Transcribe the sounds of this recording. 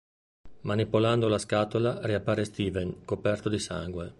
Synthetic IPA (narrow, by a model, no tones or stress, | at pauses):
manipoland̪olaskaːt̪olariapːaːɾest̪iːveŋkopɛrt̪od̪isa̰ŋɡwe